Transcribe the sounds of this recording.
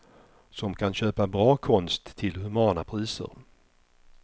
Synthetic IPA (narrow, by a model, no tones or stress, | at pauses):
sɔmkʰanɕøːpabɾɑːkʰɔnst̪ʰːɪlhɵmɑːnapʰɾiːsə̰ɾ